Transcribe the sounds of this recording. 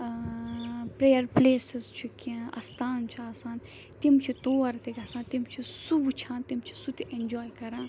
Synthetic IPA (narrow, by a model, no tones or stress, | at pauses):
pɾeːjɐɾpleːsɪzt͡ʃʰukãɐ̰st̪ʰaːnt͡ʃʰuaːsaːn | t̪imt͡ʃʰit̪oːɐɾt̪ikʲɐsãːnt̪imt͡ʃʰisubt͡ʃʰãːnt̪imt͡ʃʰi̥sut̪iʔend͡ʒoːjkɐɾãː